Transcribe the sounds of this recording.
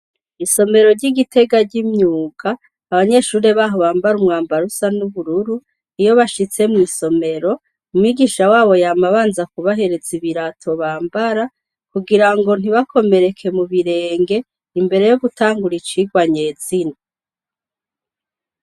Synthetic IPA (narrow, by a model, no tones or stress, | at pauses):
iso̞me̞ɾo̞ɾɟiɡitʰe̞ɡaɾɟimɲuːɡaː | βaɲe̞ʃuːɾe̞βaːɦo̞βaːmbaɾumŋaːmbaɾusanuβuɾuɾu | ijo̞βaʃit͡se̞mŋiːso̞me̞ɾo̞ | umwiɡiʃawaːβo̞jaːmaβaːnzakuβaɦe̞ɾe̞ziβiɾatʰo̞βaːmbaɾa | kuɡiɾaŋɡo̞n̥iβakʰo̞me̞ɾe̞kʰe̞muβiɾe̞ːŋɡe̞ | imbe̞ɾe̞joɡutaːŋɡuɾit͡ʃiɡwaɲe̞ːz̥ina